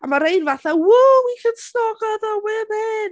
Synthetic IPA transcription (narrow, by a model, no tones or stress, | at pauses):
amaɾejnvaθawʊlwikʰənsnɔɡɔðɔwɪmɪn